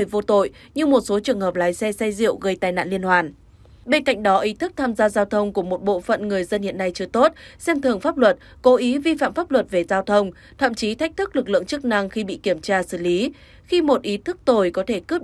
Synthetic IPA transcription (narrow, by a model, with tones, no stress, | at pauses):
vo˧t̪o̰˧˨jɲɨ˧mo˨˩t̚so˨˦t͡ɕɨ˨˩əŋɦəː˨˩p̚laː˨˦jsɛ˧sɛ˧jzḭ˧˨əwɣə˧jt̪aː˨˧jna̰ː˧˨nli˧ənhwaː˨˩n | ɓe˧nka̰˧˨jŋ̟ɗɔ˨˦ʔi˨˦t̪ʰɨ˦˥k̚t̪ʰaː˧mzaː˧zaː˧wt̪ʰə˧wŋ͡mku˧˩əmo˨˩t̚ɓo̰˧˨fə̰˧˨nŋɨ˨˩əjzə˧nhḭ˧ənːa˧jt͡ɕɨ˧ət̪o˦˥t̚sɛ˧mt̪ʰɨ˨˩əŋfaː˦˥p̚lwə˨˩t̚ | ko˨˦ʔi˨˦vi˧fa̰ː˧˨mfaː˦˥p̚lwə˨˩t̚ve˨˩zaː˧wt̪ʰə˧wŋ͡m | t̪ʰa̰ː˧˨mt͡ɕi˨˦t̪ʰa˦˥k̟̚t̪ʰɨ˦˥k̚lɨ˨˩k̚lɨ̰˧˨əŋt͡ɕɨ˦˥k̚na˧ŋxi˧ɓḭ˧˨ki˧˩əmt͡ɕaː˧sɨ˧˩li˨˦ | xi˧mo˨˩t̚ʔi˨˦t̪ʰɨ˦˥k̚t̪o˧˩jkɔ˨˦t̪ʰe˧˩kɨ˦˥p̚